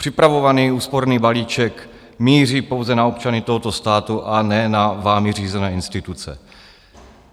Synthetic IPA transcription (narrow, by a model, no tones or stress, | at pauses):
pr̝̥ɪpɾavo̞vaniːuːspo̞ɾniːbaliːt͡ʃɛk | miːr̝iːpowzɛnao̞pt͡ʃanɪt̪oɦot̪o̞st̪aːt̪uʔanɛːnavaːmɪr̝iːzɛnɛːɪnst̪ɪt̪ut͡sɛ̰